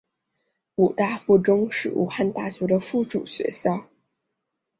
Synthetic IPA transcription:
u˨˩t̪a˥˧fu˥˩ʈ͡ʂʊ˥ŋʂɻ̩˥˩ʔṵ˨˩xa˥˧nt̪a˥˩ɕɥɛ˧˥d̪ə˧fu˥˩ʈ͡ʂu˨˩ɕɥɛ̰˧˥ɕjɑ˥˩ʊ

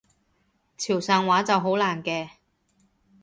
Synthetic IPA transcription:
t͡sʰiː˨˩wsaː˨˧ŋwaː˨˥t͡sɐ˨wɦo˨˥wlaː˨˩nkɛː˧

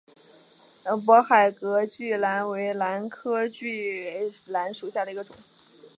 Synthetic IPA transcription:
p̬wɔ˧˥xa˨˩ɪkɤ˧˥t͡ɕy˥˩la˧˥nwe˧˥ɪla˧˥nkʰɤ˥t͡ɕy˥˩ɪla˧˥nʂu˨˩ɕja˥˩d̪ə˩i˧˥ɡə˧ʈ͡ʂʊ̰˨˩˦ŋ

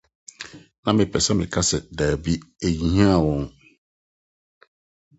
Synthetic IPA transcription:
nã˨mɪ̃˨pʰɛ˨sɛ˦mɪ̃˨kʰa˦sɛ˨daː˨bi˦e˨ji˨ɲĩ˦a˦˨wɔ̃˦ŋ

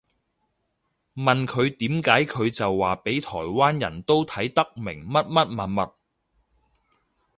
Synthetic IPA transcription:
mɐ˨nkʰɵ˨˧ɥt̪iː˨˥mkaː˨˥jkʰɵ˨˧ɥt͡sɐ˨wːaː˨pe˨˥jt̪ʰɔː˨˩jwaː˥njɐ̰˨˩nt̪o˥wt̪ʰɐ˨˥jt̪ɐ˥k̚mɪ̰˨˩ŋmɐ˥t̚mɐ˥t̚mɐ˨nmɐ˨t̚

